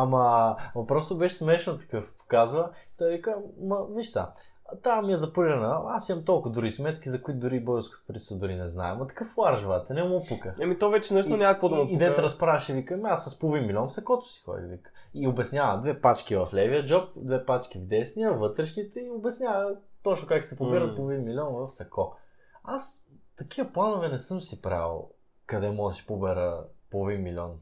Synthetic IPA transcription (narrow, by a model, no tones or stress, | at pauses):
amɐmɐpɾɔst̪obɛʃsmɛʃnət̪ɐ̥kɤfpo̥kazvət̪ɔɛvikəmɐviʃsa̰ | t̪amiɛzɐpuɾiɾɐnəasimɐmt̪ɔlˠkʊd̪ʊɾismɛt̪k̟izɐkʊit̪d̪ʊɾibɔəsko̥t̪pɾit̪səd̪ʊɾinɛzna̰ɛ̰mɐt̪ɐ̥kɤflˠaɾʒvat̪ɛnɛmopukəɛmit̪ɔvɛt͡ʃɛnɛʃnonʲakkʊvod̪ɐmoid̪ɛɾɐspɾavɛʃɛvikəmiasɐspolvimmːilʲɔnsɐkɔt̪ʊ̥si̥xɔ̰d̪ḭvḭkə̥iobɛsnʲjavəd̪vɛpat͡ʃk̟ivɐflɛviəd͡ʒɔp̚d̪vɛpat͡ʃk̟ivd̪ɛsnijəvɤt̪ɾɛʃnit̪ɛiobɛsnʲavət̪ɔt͡ʃnʊkaksɛpobiɾət̪̚polˠvinmilʲɔnvɐfsɐkɔ | ast̪ɐk̟ivɐplˠanʊvɛnɛsɤmsipɾa̰lˠ | kɐd̪ɛmɔəsi̥pobɛɾəpolˠvinmilʲɔ̰n